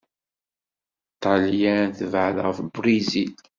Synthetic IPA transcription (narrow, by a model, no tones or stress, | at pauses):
t̪ːɑljæθəvʕəlʁəfbɾizil